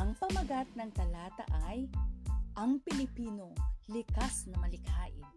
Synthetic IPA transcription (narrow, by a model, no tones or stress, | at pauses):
ʔɐŋpɐmɐɡat̪̚nɐŋk̪ɐlaːt̪ɐ̰ʔɐj | ʔɐŋpɪlɪpiːno̞lɪkasnɐmɐlɪkha̰ːʔɪ̰